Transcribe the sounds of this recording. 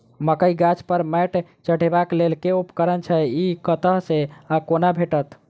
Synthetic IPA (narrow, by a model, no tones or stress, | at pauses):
məkəjɡat͡ʃpəɾmɛʈ | t͡ʃəɽ̤ebaklelkeupkəɾənt͡ʃʰɛikət̪əɦseakonabʱeʈət̪